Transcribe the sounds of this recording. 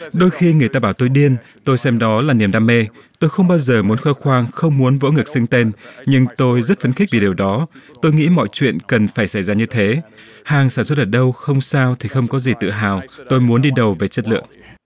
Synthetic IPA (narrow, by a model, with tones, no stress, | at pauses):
ɗo˧jxi˧ŋɨ˨˩əjt̪aː˧ɓaː˧˩wt̪o˧jɗi˧ən | t̪o˧jsɛ˧mɗɔ˨˦laː˨˩ni˨˩əmɗaː˧me˧ | t̪o˧jxə˧wŋ͡mɓaː˧wzəː˨˩mu˨˦ənxəː˧xwaː˧ŋxə˧wŋ͡mmu˨˦ənvo̰˧˥ŋɨ˨˩k̚sɨ˧ŋt̪e˧nɲɨ˧ŋt̪o˧jzə˦˥t̚fə˨˧nxï˦˥k̚vi˨˩ɗi˨˩wɗɔ˨˦t̪o˧jŋḭ˧˥mɔ̰˧˨jt͡ɕwḭ˧˨ənkə˨˩nfaː˧˩jsa˧˩jzaː˧ɲɨ˧t̪ʰe˨˦ | haː˨˩ŋsaː˧˩nswt̚ʔəː˧˩ɗə˧wxə˧wŋ͡msaː˧wt̪ʰi˨˩xə˧wŋ͡mkɔ˨˦zi˨˩t̪ɨ̰˧˨ɦaː˨˩wt̪o˧jmu˨˦nɗi˧ɗə˨˩wve˨˩t͡ɕə˦˥t̚lɨ̰˧˨əŋ